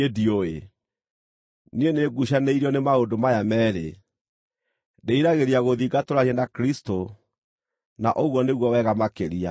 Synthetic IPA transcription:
edioe | nieneːɡuɕaneiɾiɔnemaodomajamɛːɾḛ | deiɾaɣeɾiaɣoðiɡatoɾaɲɛnakɾisto | naʔoɣwɔneɣwɔwɛɣamakeɾia̰

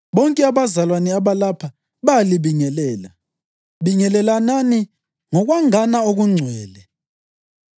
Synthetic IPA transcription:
βɔŋkʼɛaβazalwanɛaβalapʰa | βaliβiŋɛlɛːla | βiŋɛlɛlanani | ŋɔɣwaŋanaoɣuŋ͡ǀʱwɛːlɛ

